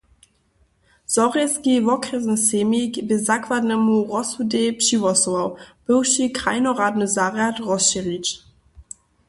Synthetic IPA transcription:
z̥ɔʁɛskivɔkʁɛznsemikbezakʰvadnɛmuʁɔsudepʃivɔsɔawb̥ɪwʃikʁajnoʁadnəzaʁjatʁɔsʃiʁit͡ʃ

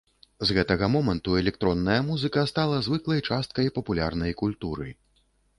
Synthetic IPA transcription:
zɣɛt̪ɐɣɐmɔmɐnt̪uɛlʲɛk̚t̪ɾɔnːɐjɐmuzɨkɐst̪alˠɐzvɨklˠɐjt͡ʂast̪̚kɐjpɐpulʲa̰rnɐjkulʲt̪uɾɨ̰

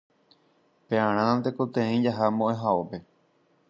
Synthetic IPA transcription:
peãɾ̃ãt̪ekot̪ẽeĩd͡ʒaɦamõʔẽɦaope̞

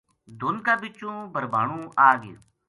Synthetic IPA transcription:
d̪ʱʊnkaːbɪt͡ʃːũːbʱəɾbʱaːɳũːʔaːɡɪ

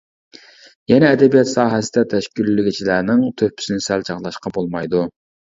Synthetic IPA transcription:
jɛnɛːd̪ɛbijɑt̪sɑːɦɛsɪd̪ɛt̪ʰɛʃkʲylːɪɡʲit͡ʃʰilænɪŋt̪ʰøpʰːy̥sɪnɪsælt͡ʃʰɑʁlˠɑʃqɑbolˠmɑjd̪u

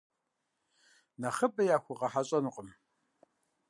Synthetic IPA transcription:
nɐχəpʼɐjaːxʷʊʁɐħaɕʼɐnuqʼəm

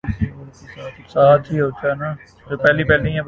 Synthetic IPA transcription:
saːt̪iːɦoːt͡ʃʰaːnãː | d͡ʒoːpɛːlipɛːlĩɦɛ̃

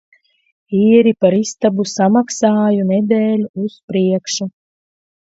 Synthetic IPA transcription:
iːɾipaɾist̪abusamaksaːjunɛd̪eːlʲuuspɾiɛkʃu

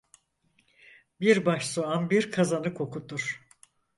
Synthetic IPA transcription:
biɾbaʃsoanbiɾkʰazanɯkʰo̞kut̪uɾ̥

